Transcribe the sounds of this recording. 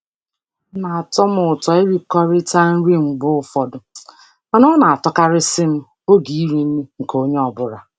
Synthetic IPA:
na˨a˨tɔ˦mʊ˨ʊ˨tɔ˨e˦ɾi˦kɔ˦ɾɪ˦ta˦n̩˦ɾi˦ŋ͡m̩˨ɡ͡bʊ˦ʊ˨fɔ˨dʊ˨ | ma˨nɔ˦na˨a˨tɔ˦ka˦ɾɪ˦sɪ˦m̩˦ | o˦ɡi˨i˦ɾi˦n̩˦ni˦ŋ̩˨ko˦ɲe˦ɔ˨bʊ˦ɾa˨

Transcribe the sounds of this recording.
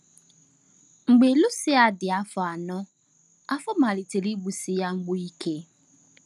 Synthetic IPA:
ŋ͡m̩˨ɡ͡be˨lʊ˦sɪ˦a˨dɪ˨a˨˦fɔ˨a˨nɔ̃˦ | a˦fɔ˦mã˨li˨tʰe˨li˦bu˨si˦ja˦ŋ͡m̩˦ɡ͡bʊ˦i˦kʰe˦

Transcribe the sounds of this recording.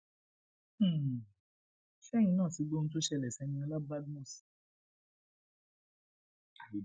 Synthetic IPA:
ʃɛ˦j̃ĩ˧nãː˦˨ti˨˦ɡ͡bo˦ñ̩˦t̬o˦ʃɛ˧lɛ˨sɛ˨˧˦nĩ˧a˧la˦ba˦dmu˦˨s

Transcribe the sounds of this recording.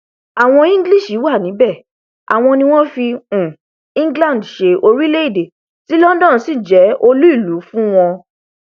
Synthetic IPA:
a˨w̃ɔ̃˧ĩ˦ɡli˦˨ʃi˨˦wa˦˨nĩ˨˦bɛ˦˨ | a̰˨w̃ɔ̃˧nĩ˧w̃ɔ̃˦fĩ˧˨ | ĩ˦ɡlã˦˨n˨dʃe˧o˧ɾi˦le˦i˦˨de˨ | ti˨˦lɔ˦dɔ̃˦˨˦si˦˨d͡ʒɛ˨˦ʔo˧lu˦i˦˨lu˨˦fũ˦w̃ɔ̃˧

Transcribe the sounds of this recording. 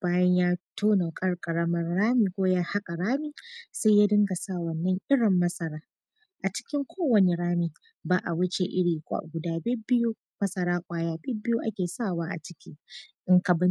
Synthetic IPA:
b̥aː˦jɐ˦ɲjaː˦tʰoː˦na˨kʼɐ˦rkʼɐ˨ɽɐ˦mɐ˦rɽaː˦miː˨kʷoː˦jaː˦ha˦kʼa˨ɽaː˦miː˨sa˦jaː˦dɪ˦ŋɡa˨sa˦˨wɐ˨nːɐ˦ŋʔɪ˦ɽɪ˨mːɐ˦sʼɐ˨ɾaː˦ | ʔa˨t͡ʃɪ̥˦kʲɪ˦ŋkʷʰoː˦wɐ˨ne˨ɽaː˦miː˨ | baː˦ʔa˨wʊ˦t͡ʃe˨ʔɪ˦ɽiː˨kʷʼa̰˦˨ɡʷʊ˨daː˦bɪ˦bɪ˦ju˦ | mɐ˦sɐ˨ɾaː˦kʷʼaː˦jaː˦bɪ˦bɪ˦ju˦ʔa̰˦kʲeː˨saː˦˨waː˦ʔa̰˨t͡ʃɪ̥˦kʲi˦ʔɪ˦ŋkɐ˨bɪ˦n

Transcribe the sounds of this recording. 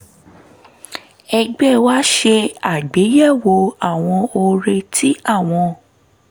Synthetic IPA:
ɛ˧ɡ͡bɛ˦˨wa˦ʃe˧a˨ɡ͡be˨˦jɛ˦˨wo˧a˦˨w̃ɔ̃˧o˧ɾe˧tʰi˨˦a˦˨w̃ɔ̃˧

